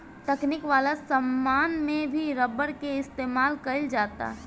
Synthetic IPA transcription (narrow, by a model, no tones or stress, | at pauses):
t̪ɛknɪkʋaːlasəmːaːnmẽbʱiɾɐbəɽkeɪst̪eːmaːlkɐɪld͡ʒaːt̪a̰ːɦ